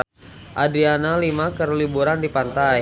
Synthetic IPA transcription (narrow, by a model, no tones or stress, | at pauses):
ʔadɾianalimakərlibuɾandipant̪aj